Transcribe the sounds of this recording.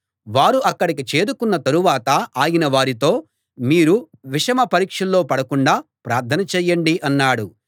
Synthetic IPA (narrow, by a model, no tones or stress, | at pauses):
ʋaːɾuʔɐkːɐɽikit͡ʃe̞ːd̪ukunːɐt̪ɐɾuʋaːt̪ɐaːjinɐʋaːɾit̪o̞ː | miːɾu | ʋiʂɐmɐpɐɾiːkʂɐlːo̞ːpɐɽɐkuɳɖaːpɾaːɾt̪ʰɐnɐt͡ʃɛːjːɐɳɖiʔɐnːaːɽu